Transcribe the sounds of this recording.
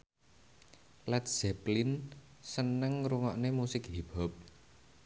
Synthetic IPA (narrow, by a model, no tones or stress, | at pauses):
lɛt̪̚sɛplinsənəŋɾuŋɔʔnemusɪkɦib̥ɔ̤p̚